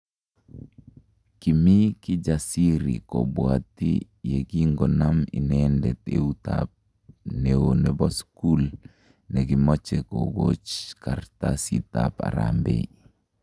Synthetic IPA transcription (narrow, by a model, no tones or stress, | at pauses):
kimikid͡ʒasiɾḭkɔbwat̪i | jeɡiŋɡɔnaminɛndɛt̪eut̪a̰p̚ | newonɛbɔskul | neɡimɔt͡ʃekoɡot͡ʃkart̪asit̪apa̰ɾa̰mbḛ